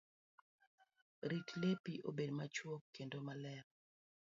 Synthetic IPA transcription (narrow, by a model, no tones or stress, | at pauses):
ɾitlepiʔo̰bedmat͡ʃwokʰːendomalɛɾ